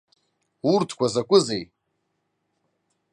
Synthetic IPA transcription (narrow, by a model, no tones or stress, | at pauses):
urtʰkʷʰazakʷʼʊzej